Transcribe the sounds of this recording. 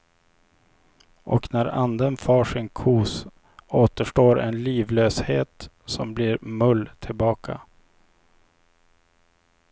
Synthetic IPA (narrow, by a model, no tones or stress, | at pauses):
ʔɔknæɾa̰nd̪ənfɑːʂɪnkʰuːs | oːt̪əʂʈoːɾɛ̰nliːvløːsheːt̪ | sɔmbliːɾmɵlːt̪ʰɪlbɑːkʰa̰